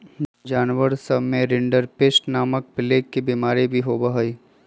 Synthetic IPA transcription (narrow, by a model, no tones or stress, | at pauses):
d͡ʒaːnʋəɾsəbmẽɾɪɳɖəɾpeːsʈnaːmək̚pɪleːkːibiːmaːɾibʱiɦoːbəɦəiː